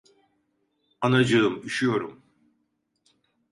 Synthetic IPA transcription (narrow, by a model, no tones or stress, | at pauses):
anad͡ʒɯɯmyʃyjoɾum